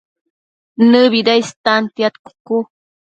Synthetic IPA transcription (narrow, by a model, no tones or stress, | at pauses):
nɨβid̪ajst̪ant̪jat̪ku̥ku